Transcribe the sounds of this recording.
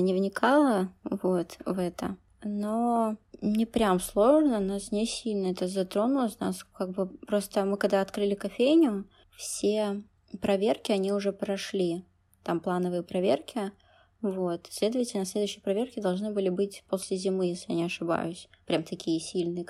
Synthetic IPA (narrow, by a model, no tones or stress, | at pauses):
nʲɪvnʲɪkʰalˠəvo̞t̪vɛt̪ə̰ | no | nʲɪpɾʲamslˠo̞ʐnənasnʲɪsʲilʲnəɛt̪əzɐt̪ɾo̞nʊlˠəsʲna̰skaɡ̚bɨpɾo̞st̪əmɨkɐɡ̚d̪aɐt̪kɾɨlʲɪkɐfʲejnʲʊ | fsʲe | pɾɐvʲe̞rkʲɪɐnʲiʊʐɛpɾɐʂlʲi | t̪amplˠanəvɨjəpɾɐvʲḛrkʲɪ | vo̞t̪sʲlʲe̞d̪əvətʲɪlʲnəslʲed̪ʊːɕːɪjpɾɐvʲerkʲɪd̪ɐlˠʐnɨbɨlʲɪbɨtʲpo̞sʲlʲɪzʲɪmɨjesʲlʲɪjanʲɪɐʂɨba̰jʊsʲpɾʲamt̪ɐkʲijəsʲilʲnɨjə